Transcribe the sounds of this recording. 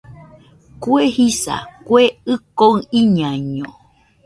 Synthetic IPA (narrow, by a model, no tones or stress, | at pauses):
kwehisa̰kweɨkoɨ̃ĩɲãɲõ̰